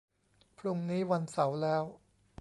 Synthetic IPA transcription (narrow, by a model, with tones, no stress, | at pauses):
pʰɾu˧ŋniː˦˥wa˧nsa˩˦wlɛː˦˥w